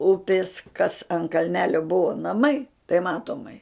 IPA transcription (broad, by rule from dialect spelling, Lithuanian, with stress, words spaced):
ˈʊpʲɪs kɐs ɐn kɐlʲˈnʲæːlʲoː ˈbʊʋoː nɐˈmɐɪ tɐɪ ˈmɑːtoːmɐɪ